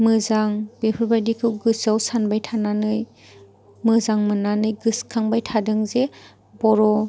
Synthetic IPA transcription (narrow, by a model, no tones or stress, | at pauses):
mɯzaŋbepʰɯɾbajdikʰɯwɡɯsawsanbajtʰananɯj | mɯzaŋmɯnanɯjɡɯskʰaŋbajtʰadɯŋze | bɔɾɔ